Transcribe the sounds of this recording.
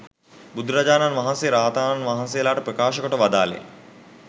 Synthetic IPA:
bud̪uɾad͡ʒaːnanʋaɦanseɾaːt̪aːnanʋaɦansejəlaːʈəpɾəkaːʃəkoʈəʋad̪a̰ːlḛ

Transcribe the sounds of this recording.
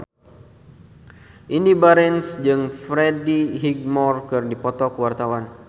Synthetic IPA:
ʔinibaɾɛnsd͡ʒɨŋfɾediɦiɡ̚mɔrkɨrdipɔt̪ɔkəwart̪awan

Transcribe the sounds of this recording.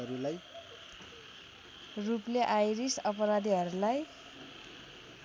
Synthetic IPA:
ʌɾulaj | rupleʔajɾisʌpʌɾad̪iɦʌɾulaj

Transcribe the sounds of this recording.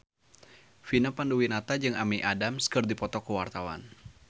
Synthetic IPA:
finapanduwinat̪ad͡ʒɨŋamiʔadamskɨrdipɔt̪ɔkəwart̪awa̰n

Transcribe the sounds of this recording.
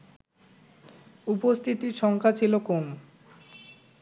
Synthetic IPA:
upost̪ʰit̪iɾʃɔŋkʰat͡ɕʰilokoŋ

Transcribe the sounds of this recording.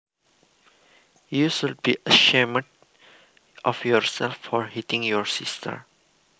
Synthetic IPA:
juʃulbiʔəʃeməd | ʔɔfjɔɹsɛlfːɔɹhitĩŋjɔɹsistʰə̰ɹ

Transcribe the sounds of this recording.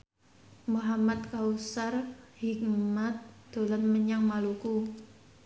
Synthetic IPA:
muɦamat̪̚kausarhik̚mat̪̚d̪̥o̤lanməɲaŋmaluku

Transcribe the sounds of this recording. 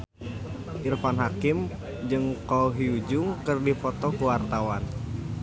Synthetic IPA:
ʔirfanɦakɪm | d͡ʒɨŋkɔɦiud͡ʒʊŋkɨrdipɔt̪ɔkuwart̪awan

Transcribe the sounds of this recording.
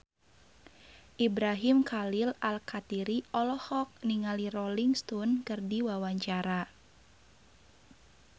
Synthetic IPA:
ʔibɾaɦimkʰalilalkat̪iɾiʔɔlɔhɔk̚niŋaliɾɔliŋst̪unkɨrdiwawaɲt͡ʃaɾa

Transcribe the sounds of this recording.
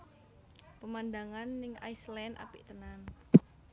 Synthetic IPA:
pəmand̪aŋanːɪŋa̰islɛnʔa̰piʔt̪ənan

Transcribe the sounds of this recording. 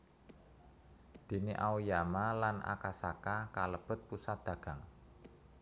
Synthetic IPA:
d̪̥i̤niʔaujamalanʔa̰kasakakaləb̥ə̤t̪̚pusat̪̚d̪̥ä̤ɡ̥a̤ŋ

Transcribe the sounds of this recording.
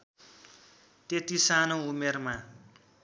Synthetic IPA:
t̪et̪isanoumerma

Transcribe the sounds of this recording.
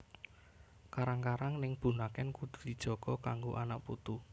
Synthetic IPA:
kaɾaŋkaɾaŋnɪŋb̥ṳnakɛnkud̪̥ṳ̥d̪̥id̥ʒ̥ɔ̤ɡ̥ɔkaŋɡoʔanaʔput̪u

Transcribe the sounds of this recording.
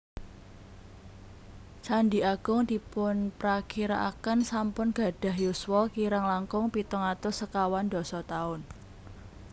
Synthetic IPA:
t͡ʃandiaɡ̥ʊŋd̪̥i̤pʊnpɾakiɾa̰ʔa̰kənsampʊnɡ̥a̤ɖ̥a̤ɦjuswɔkiɾaŋlaŋkʊŋpit̪ʊŋat̪ʊsəkawand̪ɔ̤sɔt̪aʊn

